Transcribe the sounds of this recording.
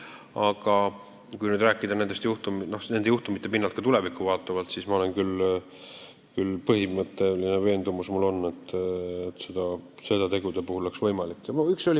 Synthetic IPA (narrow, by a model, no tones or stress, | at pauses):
ɑɡ̥ɑ | kujnyd̪ɾæːkːˑid̪̥ɑne̞nd̪e̞st̪juht̪umno̞hne̞nd̪ejuht̪umit̪ːe̞pinːɑlt̪̚kɑt̪ule̞vikːˑuvɑːt̪ːˑɑvɑlt̪sismɑo̞le̞nkyl | kylpɤɦimɤt̪ːˑe̞lineve̞ːnd̪̥umusmulo̞nːe̞t̪ˑːet̪ːse̞d̪ɑse̞d̪ɑt̪e̞ɡud̪̥epuhulle̞ksvɤjmɑlikːˑoykso̞li